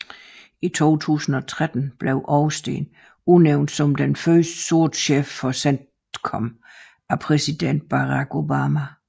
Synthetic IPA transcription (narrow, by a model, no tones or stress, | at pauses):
it͡sʰo̝̰ːt͡sʰṵːsn̩ɒ̽t͡sʰʁad̥n̩b̥le̝ʊʔɒʊsd̥e̝̰ːn | uneʊnd̥sɒ̽md̥enfɶsd̥ə̥su̝ɐ̰d̥ɕefːɒ̽sen̰d | kʰɒm | æpʰʁɛsid̥en̰d̥̚b̥ɑ̈ʁɑ̈ɡ̥o̝bɑmæ